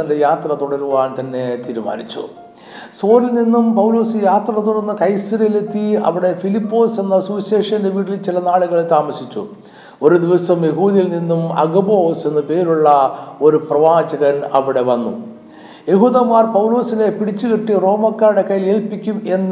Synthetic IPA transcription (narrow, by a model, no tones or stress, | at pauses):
ɐndejaːt̪rɐt̪uɽɐɾuʋaːnt̪ɐnːe̞t̪iːɾuma̰ːnit͡ɕːṵ | so̞ːlilninːumpɐwlo̞ːsɨjaːt̪rɐt̪uɽɐɾnːɨkɐjsɐɾjɐlet̪ːiɐ̰ʋiɽe̞filipːo̞ːse̞nːɐsuɕeːʂɐndeʋiːɽilt͡ɕilɐnaːɭuɣɐɭet̪aːmɐsit͡ɕːṵ | o̞ɾud̪iʋɐsɐmje̞ɦuːðijilninːumɐ̰ɡɐbo̞ːse̞nːɨpe̞ːɾuɭːɐo̞ɾuprɐʋaːd͡ʑɐɣɐnɐʋiɽe̞ʋɐnːṵ | je̞ɦuːðɐmːaːrpɐwlo̞ːsine̞piɽit͡ɕːukiʈːiro̞ːmɐkːaːɾɽe̞kɐjileːlpikʲːume̞nː